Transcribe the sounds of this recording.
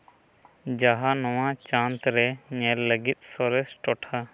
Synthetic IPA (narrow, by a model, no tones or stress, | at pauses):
d͡ʒaɦaːnɔʋãːt͡ʃãːnt̪ɾɛɲɛlləɡɪt̪̚sɔɾesʈɔʈʰaː